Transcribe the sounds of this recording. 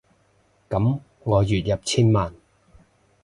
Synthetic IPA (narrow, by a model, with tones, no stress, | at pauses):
kɐ˨˥m | ŋɔː˨˧jyː˨t̚jɐ˨p̚t͡sʰiː˥nmaː˨n